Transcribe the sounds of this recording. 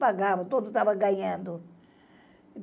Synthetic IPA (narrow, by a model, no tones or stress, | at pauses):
paɡavɐt̪od̪ʊt̪avɐɡɐ̃ɲɐ̃nd̪ʊ